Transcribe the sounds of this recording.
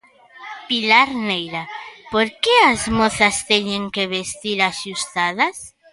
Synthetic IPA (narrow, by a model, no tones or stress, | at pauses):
pilaɾnejɾapoɾkeazmoθɐst̪ɛɲeŋkeβest̪iɾaʃust̪að̞ɐs